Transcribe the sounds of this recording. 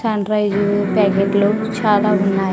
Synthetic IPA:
sɐɳɾɐjd͡ʒpɛːkeːʈloː | t͡ʃaːlaːunːaː

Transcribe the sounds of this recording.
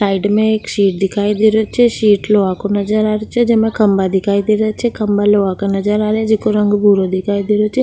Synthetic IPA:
saːiɖmẽeːkʃiːʈ̚d̪ɪkʰaːid̪ɪɾot͡ʃʰeʃiːʈloakonəd͡ʒəɾaːɾot͡ʃʰed͡ʒemẽkəmbad̪ɪkʰaːid̪iɾat͡ʃʰekəmbaloʋakonəd͡ʒəɾaːɾed͡ʒekoɾə̃ŋɡbʱuɾod̪ɪkʰaːid̪ɪɾot͡ʃʰe

